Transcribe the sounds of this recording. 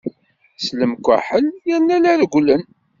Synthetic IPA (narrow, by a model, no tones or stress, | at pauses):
sləmkʷːa̰ħəljæɾnːælæɾɡʷlən